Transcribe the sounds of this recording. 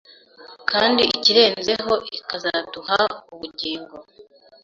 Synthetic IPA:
kaːndiiciɾe̞ːnze̞ɦo̞ʔikazaduhauβuɟiːŋɡo̞

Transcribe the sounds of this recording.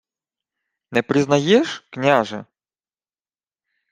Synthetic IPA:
nɛpɾʲɪznajɛʂknʲaʐɛ̰

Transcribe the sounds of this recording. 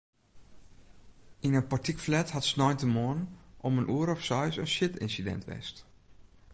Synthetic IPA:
ʔinəpaɹtikflɛthatsnɔjntəmoənnʔɔmənʔuəɾɔfsɔjsənʃɪtɪ̰nsidɛ̰ntʋɛ̰st

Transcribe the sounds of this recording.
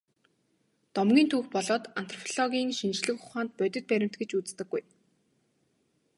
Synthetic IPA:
t̪ɔmɡʲiːnt̪ʰuːxpɔɮɔːt̪an̥t̪ʰrɔ̥pʰɔɮɔɣʲiːŋʃint͡ɕɮɘ̆kʊχaːnt̪̚pœt̪ʲɵ̆t̪̚pæɾʲɪ̆m̥t̪̚ɡĕt͡ɕut͡st̪ɘ̆ɡːuj

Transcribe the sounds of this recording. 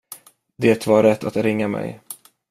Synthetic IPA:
d̪eːt̪vaɾɛt̪ːat̪ɾɪŋːamɛ̰j

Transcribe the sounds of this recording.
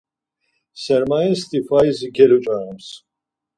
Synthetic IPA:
sɛɾmajɛst̪ʰifajziɡɛlut͡ʃʼaɾɛms

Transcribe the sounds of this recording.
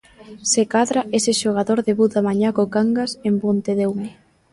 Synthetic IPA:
sekaðɾaesɪʃoɣ̞aðoɾðeβut̪amaɲakokaŋɡasembont̪eðewm

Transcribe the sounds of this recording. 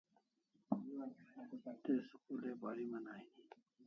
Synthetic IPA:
t̪eːskuleːbaːɾimɐnaːini

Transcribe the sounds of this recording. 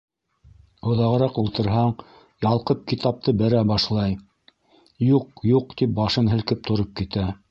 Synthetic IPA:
ŏðɑʁɤ̆ɾɑqulˠt̪ɤ̆ɾɦɑɴ | jɑlˠqɤp̚kit̪ɑp̚t̪ɤbɘ̆ɾæbɑʃlˠɑj | juqjuqt̪ip̚bɑʃɤnɦɘ̆lkɘp̚t̪ŏɾɤp̚kit̪æ

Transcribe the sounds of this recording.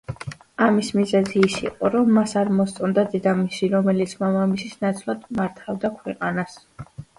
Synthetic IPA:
amismizɛziːsḭqʼɔɾɔmːasaɾmɔst̪sʼɔnd̪ad̪ɛd̪amisiɾɔmɛlit̪sʰmamamisisnat̪sʼlˠad̪maɾt̪ʰavd̪akʰwɛqʼanas

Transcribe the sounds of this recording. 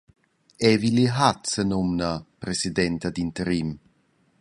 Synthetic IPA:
ɛviliɦat̪sənomnapɾesid̪ɛnt̪ad̪int̪əɾim

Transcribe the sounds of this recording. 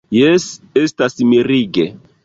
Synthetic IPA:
jɛsestasmiɾiɡe

